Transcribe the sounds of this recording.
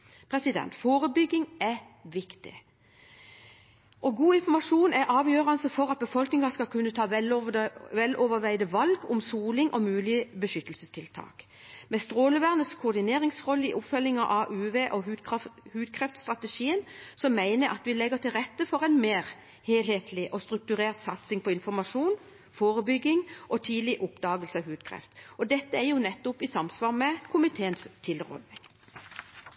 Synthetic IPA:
pʰʁɛsɪd̪ɛ̰nt̪foːʁəbʏɡɪŋɛ | ʋɪkt̪ɪ̰ | ʔɔɡuːɪnfɔmɑʂuːnæʔɑːʋjøːʁɑnsəfɔʁɑt̪̚bəfɔlknɪŋɑskɑkʰʉnːət̪ʰɑːʋɛ | ʋɛlʔɔʋəʋæɪd̪əʋɑlɡʊmsuːlɪŋʔɔmʉːlɪəbəʃʏt̪ːəlsəst̪ʰɪlt̪ʰɑ̰ːk | mɛst̪ʁoːləʋæʁnəskʰʊʁd̪ɪneːʁɪŋsʁɔlːəɪʔʊpfœlːɪŋɑʔɑʔʉːʋeːʔɔhʉhʉːd̪̚kʰʁɛft̪st̪ʁɑt̪əʃiːənsɔmːæɪnəɾʔɑ̰t̪ʋɪlɛɡət̪ʰɪlʁɛt̪ːəfɔʁæɪnmeːʁ | heːlheːt̪ʰlɪʔɔst̪ʁʉk̚t̪ʉʁeːʁt̪sɑt̪sɪŋpʰɔɪnfɔmɑʃuːn | foːʁəbʏɡːɪŋʔɔt̪ʰiːd̪lɪʔʊpd̪ɑːɡəlsəɑʋhʉːd̪kʰʁɛ̰ft̪ɔd̪ɛt̪ːəæʁjʊnɛt̪ːʊpɪsɑmsʋɑːʁmɛkʰʊmɪt̪ʰeːənst̪ʰɪlʁɔ̰d̪nɪŋ

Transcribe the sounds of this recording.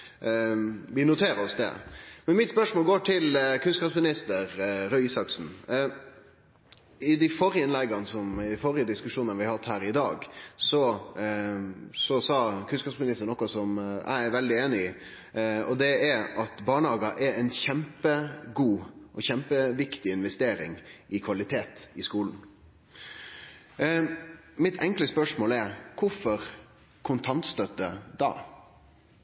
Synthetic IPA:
ʋɪnʊt̪ʰeːɾəɔsd̪ɛ̰mɛnmɪt̪spœʂmoːlɡoːʈʰɪlkʰʉnskɑpsmɪnɪst̪əɾɾœisɑksn̩ | ɪd̪ɪfɔɾjəɪnlɛɡɑnəsɔmɪfɔɾɪəd̪ɪskʉʂuːnənəʋɪhɑhɑt̪ːhæːɾɪd̪ɑ̰ːɡsɔ | sɔsɑːkʰʉnskɑpsmɪnɪst̪əɳɔkːɑsɔmæ̰ɪæɾʋɛld̪ɪeːnɪɪ | ɔd̪ɛɛɾɑt̪bɑːɳəɑːɡɑʔɛɾɛɪnçɛmpəɡuːʔɔçɛmpəʋɪkt̪ɪɪnʋɛst̪eːɾɪ̰ŋɪkʰʋɑlɪt̪ʰeːt̪ɪskuːln̩ | mɪt̪ʰɛŋkləspœʂmoːlɛɾkʰʊɾfɔɾ | kʰʊnt̪ʰɑnt̪st̪œt̪ːəd̪ɑ̰ː

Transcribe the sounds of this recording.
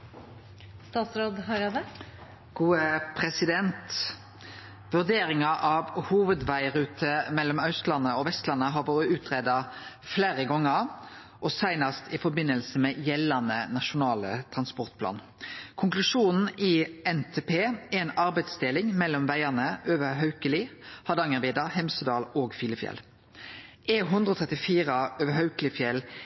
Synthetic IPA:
st̪ɑːt̪sɾoːd̪ɦɑɾɑd̪ə | ɡ̥uːəpʰʁɛsɪd̪ɛnt̪ | ʋʉʁd̪eːɾɪŋɑʔɑʋhuːʋəd̪ʋæɪɾʉːt̪ʰəmɛlːɔmɑʉst̪lɑnəɔʋɛst̪lɑnːəɦɑʋoːɾəʉːt̪ʰʁeːd̪ɑ | fleːʁəɡɔŋːəʁ | ʔɔsæɪnɑst̪ʰɪfɔbɪnːəlsəmɛjɛlːɑnənɑʃʊnɑːlət̪ʰʁɑnspɔʁt̪pʰlɑ̰ːn | kʰʊŋklʉʂuːnn̩ɪɛnt̪ʰeːpʰeːɛnɑɾbæɪd̪sd̪elɪŋmɛlːɔmʋæɪənəøːʋəɦœʉkəlɪhɑd̪ɑŋəʋiːd̪ɑɦɛmsəd̪ɑːloːɡfiːləfjɛ̰l | eɦʉnd̪ɾʁɔt̪ʰʁɛt̪ɪfiːʁəøːʋəɦœʉklɪfjɛl

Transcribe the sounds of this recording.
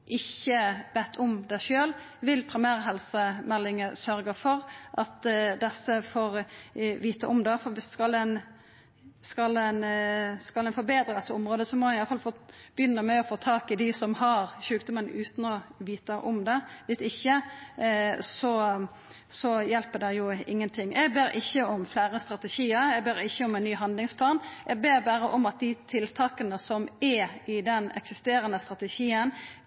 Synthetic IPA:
ʔɪçːəʋɛt̪ːʰɔmd̪æʃøːl | ʋɪlpʰɾɪmæːɾɦɛlsəmɛlːɪŋəsœɾɡəfɔɾʔɑt̪d̪ɛsːəfoːɾʋiːt̪əʔɔmd̪ɛfɔʋɪskɑlɛn | skɑlɛnskɑlɛnfɔɾbeːd̪ɾəd̪ɛt̪ːəʊmɾoːd̪əsɔmɔnɪɑləfɑlfoːb̥əjʏnːəmɛɔfoːt̪ʰɑːkɪd̪ɪsɔmhɑɾʃʉːkd̪ʊmənʉːt̪nɔʋiːt̪əʔɔmd̪ɛʋɪsɪçːə | sɔ | sɔjɛlpəɖ̪ɛjʊɪŋːənt̪ʰɪŋːɛɡbeːɾɪçːəɔmflæːɾəst̪ɾɑt̪əʃiːəɾɛɡbeːɾɪçːəɔmɛnnyːɦɑnd̪lɪŋspʰlɑːnʔɛɡ̚beːɾbæːɾəʔɔmɑt̪̚d̪ɪt̪ʰɪlt̪ʰɑːkənəsɔmɛɪd̪ɛnɛ̰ksɪst̪eːɾənəst̪ɾɑt̪əʃiːən

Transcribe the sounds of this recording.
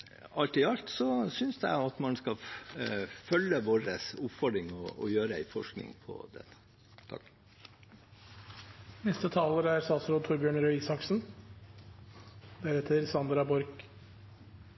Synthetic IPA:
ɑlt̪ɪɑlt̪sɔsʏnsd̪ɛ̰ɪɑt̪mɑnskɑ | fœlːəʋoːɾəsʊpfɔɖ̪ɾɪŋɔɔ̰jøːɾəæɪfɔʂknɪ̰̃ŋpʰɔ̰d̪ɛ̰t̪ːə̥ | t̪ʰɑ̰k | nɛst̪ət̪ʰɑːləɾæɾsɑːsɾoːd̪t̪ʰʊɾbjøːɳɾœʏiːsɑksn̩ | d̪æɾɛt̪ʰːəɾsɑnd̪ɾɑbɔɾk

